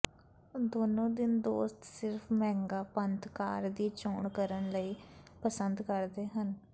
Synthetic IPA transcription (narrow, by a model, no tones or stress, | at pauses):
d̪oːnõːd̪ɪnd̪oːst̪sɪɾpʰmɛ̃ːŋɡaːpənt̪kaːɾd̪iːt͡ʃoːɳkəɾəɳləiːpəsənd̪kəɾd̪eːɦən